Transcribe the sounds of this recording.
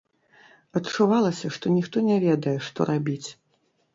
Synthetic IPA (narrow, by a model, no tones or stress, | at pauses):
ɐtt͡ʂuvalˠɐsʲɐʂt̪ɔnʲixt̪ɔnʲɛvʲɛd̪ɐjɛʂt̪ɔ̰ɾabʲit͡sʲ